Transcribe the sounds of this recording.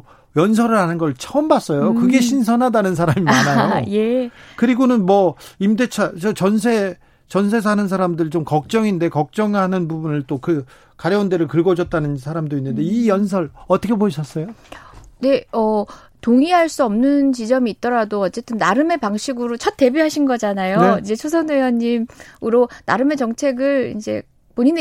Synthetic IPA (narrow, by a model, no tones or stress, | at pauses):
jʌnsʰʌɾɯɾɦanɯnɡʌɭt͡ɕʰʌɯmbas͈ʌjokɯɡe̞ɕ̬ʰins̬ʰʌnɦadanɯnsʰaɾamimmanajoje̞kɯɾiɡonɯnmwʌimde̞t͡ɕʰat͡ɕʌt͡ɕʌnsʰe̞ | t͡ɕʌns̬ʰe̞s̬ʰanɯns̬ʰaɾamdɯɭt͡ɕomkʌk̚t͡ɕ͈ʌŋinde̞kʌk̚t͡ɕ͈ʌŋɦanɯnbubunɯɭt͈okɯ | kaɾjʌonde̞ɾɯɭkɯɭɡʌd͡ʑʌt̚t͈anɯnsʰaɾamdoinːɯnde̞ijʌns̬ʰʌɾʌt͈ʰʌkʰeboiɕʰʌs͈ʌjone̞ʌ | toŋiɦaɭs͈uʌmnɯnt͡ɕid͡ʑʌmiːt̚t͈ʌɾadoʌt͡ɕ͈e̞t͈ɯnːaɾɯme̞paŋɕʰiɡɯɾot͡ɕʰʌt̚t͈e̞biɦaɕʰinɡʌd͡ʑanajoeind͡ʑe̞t͡ɕʰos̬ʰʌnejʌɲːimuɾonaɾɯme̞t͡ɕʌŋt͡ɕʰe̞ɡɯɭḭnd͡ʑe̞̰ | poɲin